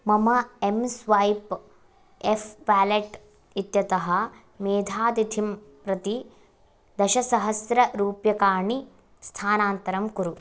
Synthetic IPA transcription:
mɐmɐemsʋɐjp | efʰʋæːleʈ | it̪jɐt̪ɐɦɐ | meːd̪ʱaːd̪it̪ʰimpɾɐt̪i | d̪ɐʃɐsɐɦɐsɾɐɾuːpjɐkaːɳi | st̪ʰaːnaːnt̪ɐɾɐmkuɾu

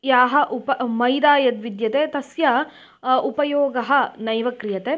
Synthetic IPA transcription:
jaːɦɐʔupɐmɐjd̪aːjɐt̪ʋid̪jɐt̪eːt̪ɐsjɐ | upɐjoːɡɐɦɐ̆nɐjʋɐkɾijɐt̪eː

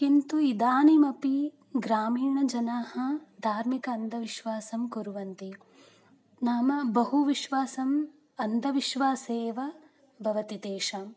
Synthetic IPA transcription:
kint̪uid̪aːnimɐpi | ɡɾaːmiːɳɐd͡ʒɐnaːɦɐ̆d̪ʱaːɾmikɐːnd̪ʱɐʋiʃʋaːsɐmkuɾuʋɐnt̪i | naːmɐbɐɦuʋiʃʋaːsɐm | ɐnd̪ʱɐʋiʃʋaːseːʋɐ | bʱɐʋɐt̪it̪eːʃɐm

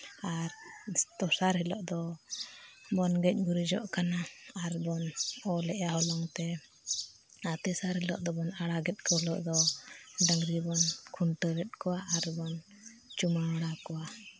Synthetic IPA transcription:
aɾt̪ɔsaɾɦɛlɔʔd̪ɔ | bɔnɡɛc̚ˀɡuɾid͡ʒɔʔkanaːɾbɔnɔlɛʔaɦɔlɔŋt̪ɛ | at̪ɛsaɾhɛlɔ̰ʔd̪ɔbɔnaɽaɡɛt̪̚kɔhɛlɔʔd̪ɔɖəŋɡɾibɔnkʰuɳʈəɡɛt̪̚kɔwaʔaɾbɔn | t͡ʃumaaɽakɔwa

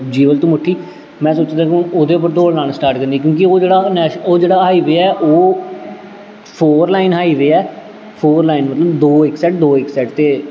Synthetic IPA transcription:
d͡ʒiːʋəlt̪ũːmʊʈʰːiː | mɛ̃ːsoːt͡ʃd̪ãːkɪɦʊnoːd̪eːʊp̬ːəɾt̪oːɽnãːnsʈaːɾʈkəɾnd̪iːk̬jõːk̬ioːd͡ʒeːɽaːnɛːʃoːd͡ʒeːɽaːɦaːiːʋeːɛːʔoː | pʰoːɾlaːɪinɦaːiːʋeːɛː | pʰoːɾlaːinmət̪ləbd̪oːɪksɛːʈ̚d̪oːɪksɛːʈt̪eː

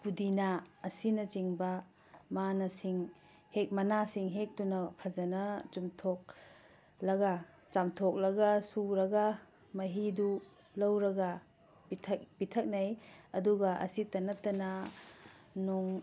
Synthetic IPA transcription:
pudinaːsinɐt͡ʃiŋbɐ | manɐsiŋ | hek̚mɐnasiŋɦek̚tunɐpʰɐzɐnɐt͡ʃumtʰok̚ | lɐɡa | t͡ʃamtʰok̚lɐɡasuɾɐɡa | mɐɦidu | lɐwɾɐɡɐ | pitʰɐk̚pitʰɐk̚najɐduɡɐʔɐ̰sitɐnɐtːɐnɐ | noŋ

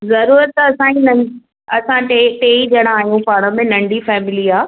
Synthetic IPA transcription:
zɐɾuːɾət̪̚ːɐɐsãinɐ̃ | ɐsãʈeʈeːid͡ʑɐɽ̃aːɦijũpaːɽ̃ə̆mẽnɐ̃ɳɖʱifɛːmɪliaː

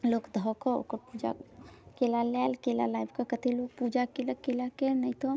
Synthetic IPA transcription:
lokd̪ʱɔkɔo̰kəɾpud͡ʒa̰kelalɛlkela̰lajbʱkəkət̪elok̚pud͡ʒakelakelakenəjt̪o

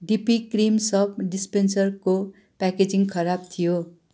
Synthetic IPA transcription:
ɖipikrimsʌbɖispensʌrko | paked͡ziŋɡkʰʌɾab̚t̪ʰijo

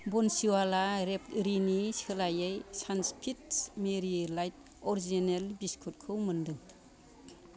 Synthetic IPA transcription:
bɔnsiwalaɾep̚ɾinisɯlajejsanspʰitmeɾilajt̚ | ɔɾizinelbiskʰut̚kʰɯwmɯndɯŋ

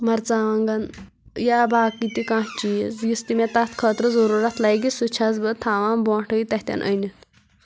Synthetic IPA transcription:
mɐɾt͡saʋãŋɡan | jabʱaːkit̪ikãt͡ʃisjist̪imet̪at̪kʰət̪ɾəzəɾuɾat̪lajɡisut͡ʃʰat͡sbət̪ʰaːʋãnbɔ̃ːʈʰəit̪ɐht̪ʲa̰nʔə̰nit̪

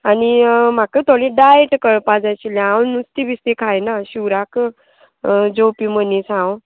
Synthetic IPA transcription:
anim̤akət̪ʰolĩɖajeʈkəɾpad͡zajt͡ɕiljãawnust̪ibist̪ikʰajnaɕiwɾak | d͡zowpimənisãw

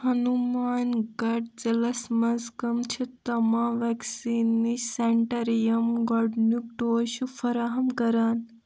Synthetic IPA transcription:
hɐnumaːnɡɐʈ̚d͡ʒɐlɐsmɐzkɐmt͡ʃʰit̪ɐmaːʋeksiːnːiseɳʈɐɾijɐmɡɔɖnuk̚ʈoːʃufɐɾaɦɐmkɐɾaːn

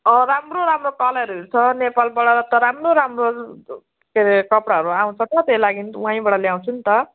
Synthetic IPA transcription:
ʌɾamroɾamrokalaɾuit͡sʰʌnepalbʌɽʌɾt̪ʌɾamroɾamro | kekʌpɽaɦʌɾuaw̃t͡sʰʌt̪ʌt̪ejlaɡinwãĩbʌɽʌljaw̃t͡sʰunt̪ʌ

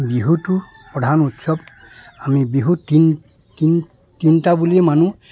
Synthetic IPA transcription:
biɦutʊ | pɹɔdʱanutsɔb | amibiɦutin | tin | tintabuliɛmanu

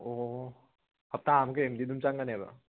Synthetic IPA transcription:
o | hɐp̚taamkɯemdidumt͡ʃaŋɡaneba̰

